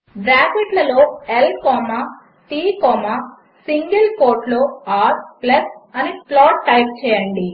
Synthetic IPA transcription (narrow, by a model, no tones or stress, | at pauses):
bɾaːkʋiʈlɐlo̞ːelkɔːmaː | ʈiːkɔːmaː | siŋɡɐlkoːɾʈlo̞ːaːɾplɐsɐniplɔːʈːɐjp̚t͡ʃɛːjɐɳɖi